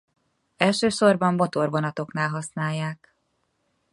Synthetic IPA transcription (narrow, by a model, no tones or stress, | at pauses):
ɛlʃøːʃo̞rbɒmːo̞t̪o̞rvonɒt̪o̞knaːlɦɒsnaːjːaːk